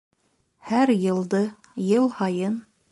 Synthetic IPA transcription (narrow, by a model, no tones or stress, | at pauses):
hæɾjɤ̆lˠd̪ɤ | jɤlˠhɑjɤn